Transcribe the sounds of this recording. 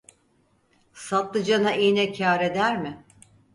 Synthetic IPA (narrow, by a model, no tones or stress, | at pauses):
sat̪lˠɯd͡ʒanaʔinɛcʰaːɾe̞d̪æɾmɪ